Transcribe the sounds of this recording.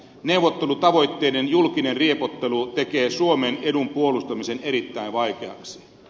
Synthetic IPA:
ne̞uʋːˑot̪ːelut̪ɑʋo̞jt̪ːeːdenjulkinenriepot̪ːelut̪ekeːsuomenedumpuolust̪ɑmiseneɾit̪ːæinʋɑjkeɑ̰ksi̥

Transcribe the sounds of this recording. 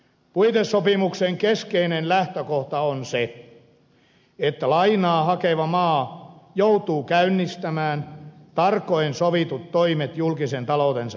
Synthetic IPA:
puit̪esːopimukseŋkeskeinenlæht̪økoht̪ɑonse | et̪ːælɑinɑːhɑkeʋɑmɑːjout̪uːkæynːist̪æmæːnt̪ɑrkːoensoʋit̪ut̪toimet̪julkisent̪ɑlout̪ensɑ

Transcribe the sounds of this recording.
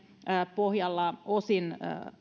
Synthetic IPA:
pohjɑlːɑosin

